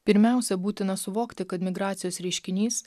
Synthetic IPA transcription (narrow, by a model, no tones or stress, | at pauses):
pʲɪɾʲmʲæˑʊsʲɛbuːt̪ʲɪnɐsʊʋoːkt̪ʲɪkɐt̪mʲɪɡɾɑːt̪sʲɪjoːsɾʲɛɪʃʲkʲɪnʲiːs